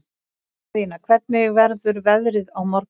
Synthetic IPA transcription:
inakʰvɛt̪̚nɪvɛɾðʏɾvɛðɾɪðawmɔɾ

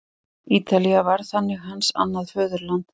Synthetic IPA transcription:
iːt̪aliavaɾ̥θanːɪɣɦansa̰nːaðfœːðʏɾlant̪

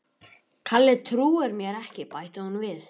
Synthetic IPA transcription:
kʰalːɛðt̪ʰɾuːɪɾmjɛɾɛhcɪpaːjht̪ahunvɪθ

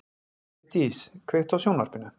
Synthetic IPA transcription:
t̪iskʰvɛht̪awsjownvaɾpɪnːʏ

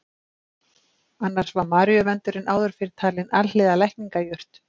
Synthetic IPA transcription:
anːaɾ̥svaɾmaːɾjœvɛnt̪ʏɾɪnʔaːwðʏɾ̥fɪɾɪɾ̥t̪ʰaːlɪnʔallɪːðalɛjhkniŋkajʏr̥t̪

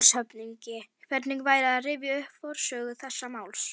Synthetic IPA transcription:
shœpniɲcɪkʰvɛɾt̪niŋkvaːjɾaðarɪːvjɪʏhpfɔɾ̥sœːɣʏθɛsːamaːwls

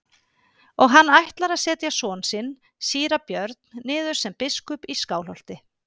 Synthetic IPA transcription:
ɔɣɦanːajht̪laɾaðsɛːt̪jasɔːnsɪn | siːɾapjœɾt̪̚nnɪːðʏɾ̥sɛmpɪskʏpiskaːwlɔl̥t̪ɪ

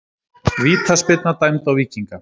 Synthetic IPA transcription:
viːt̪ʰaspet̪nat̪ajmt̪awviːciŋka

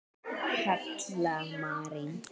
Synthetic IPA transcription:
ʃatʰlamaɾi

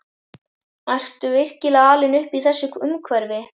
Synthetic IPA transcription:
ar̥t̪ʏvɪr̥cɪlaaːlɪnʏhpiθɛsːʏkʏmkʰvɛɾvɪ

